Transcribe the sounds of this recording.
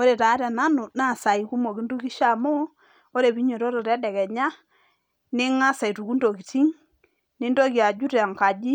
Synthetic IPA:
o˦ɾe˨ta˨˦ɾɛ˨na˦nu˨na˦˨sa˨i˨ku˦mo˨ki˦ndu˦ki˦ʃa˨mo˦ | o˦ɾe˨bi˦ɲo˨ɾo˦ɾo˨ɾɛ˦dɛ˨kɛ˨ɲa˦ | nɪ˦ŋa˦sa˨i˨tu˨ku˦ndo˨ki˨ti˦ŋ | ni˦ndo˦ki˨a˨d͡ʒu˦ɾa˨ŋka˨d͡ʒi˦

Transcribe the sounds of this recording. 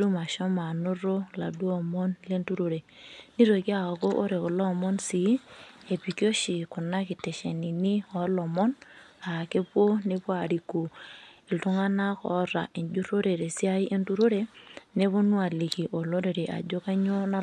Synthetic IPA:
du˦ma˨ʃɔ˦ma˨nʊ˦ɾo˦la̰˨du˦ɔ˨mɔ˦nle˦ntu˦ɾo˨ɾe˨ | ni˦ɾo˨ki˦a˦˨ko˦ʔo˦ɾe˨kɔ˨lɔ˦˨mɔ˦nsi˨˦e˨pi˨ki˦o˦ʃi˨kʊ˨na˦ki˨tɛ˨ʃe˨ni˨ni˦ɔ˨˦lɔ˨mɔ˦n | a˨ke˦po˦ne˦pa˨ɾi˨ku˨i˨ltu˦ŋa˦na˦kɔ̰˨˦ɾa˨ʔi˨ɲd͡ʒu˦ɾo˦ɾe˨ɾe˨si˦a˦i˦ʔe˦ntu˦ɾo˦ɾe˦ne˦βo˦nu˦a˨li˨ki˨ʔo˨lo˦ɾe˨ɾe˨ʔa̰˨d͡ʒo˦ka˦ɲo˦na˦

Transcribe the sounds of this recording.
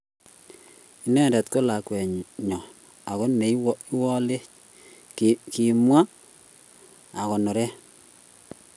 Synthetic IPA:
i˨nɛ˦˨ndɛ˨t̪ko˦la˨kwɛ˨ɲɲɔ˨ | a˨ko˦nme˨i˦i˦wɔ˦le˦t͡ʃ | ki˨mwa˦ | a˨kɔ˨no˨ɾɛ˦

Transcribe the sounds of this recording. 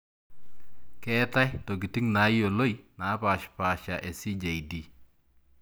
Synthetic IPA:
kɛ˦ta˦jto˨ɡi˨ti˦ŋna˨˦jo˨lo˦jna˨˦pa˨ʃpa˨ʃa˨ʔe˨si˦d͡ʒa˨i˨di˨

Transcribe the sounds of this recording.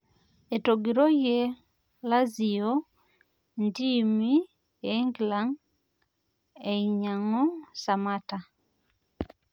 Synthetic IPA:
e˨toɡiɾo˦je˦ | la˦zi˨o˦ | ndi˦mi˦ | eŋɡla˦ŋ | e˨iɲa˨ŋɔ˦sa˨mata˨

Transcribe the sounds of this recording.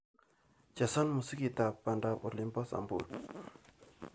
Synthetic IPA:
t͡ɕa˩˨sa˥nmə˩˨sə˥ki˨t̪a˨pːa˨ɳɖ͡ʐa˨pʔo̰˨rli˨npa˨sa̰˨mpo̰˨r

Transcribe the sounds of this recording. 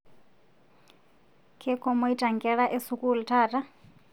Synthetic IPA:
kʰɛ˦kʰɔ˦mɔ˦i˦tʼa˨ŋɡʼɛɺaʔɛ˦sukʼu˦l̩tʰaːtʼa˦

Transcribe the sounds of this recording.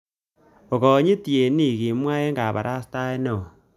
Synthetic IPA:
o˨ɣɔ˨˦ɲi˦ti˨e˨ni˦˨ɣi˨mwaː˦e˦ŋɡa˨βa̰˨ɾʔa˦sta˦e˦no˨

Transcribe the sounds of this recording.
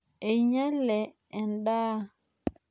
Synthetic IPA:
e˨ɲɛ˦lɛ˨ | ɛ˨ndaː˦

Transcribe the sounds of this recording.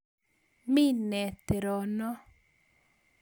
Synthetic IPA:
mɪ˦nɛ˨t̪e˨ɾɔ˨nɔ˦

